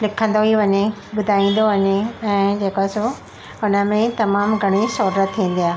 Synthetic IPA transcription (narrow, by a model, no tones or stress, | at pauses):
lɪkʰə̃nd̪oɦiʋɐɲeɓʊd̪ʱaːĩːn̆d̪oʋɐɲeɛ̃ːd͡ʑeːkaːɪso | ʊnə̆mẽt̪ɐmaːmɡʱɐɽ̃isoːdɾət̪ʰːiĩːn̆d̪ijaːɦ